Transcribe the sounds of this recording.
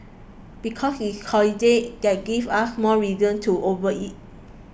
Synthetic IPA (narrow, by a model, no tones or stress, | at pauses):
b̥ikʰɔshikʰɔlidet̚d̥ɛt̚ɡivasmɔɹizə̃ntʰuʔovəit̚